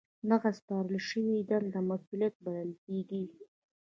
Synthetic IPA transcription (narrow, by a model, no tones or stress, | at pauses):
d̪aɣaspɑɾəlʃəwid̪and̪əmasuljat̪̚baləlkʲeɡi